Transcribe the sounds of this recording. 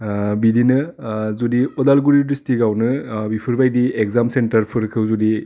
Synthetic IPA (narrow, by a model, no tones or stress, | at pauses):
bidinɯzudiɔdalɡuɾidistiɡawnɯbipʰɯɾbajdiekzamsentɐɾpʰɯɾkʰɯwzudi